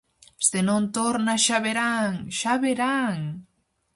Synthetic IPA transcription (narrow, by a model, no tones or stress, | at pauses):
senõnt̪oɾnaʃaβeɾaŋʃaβeɾaŋ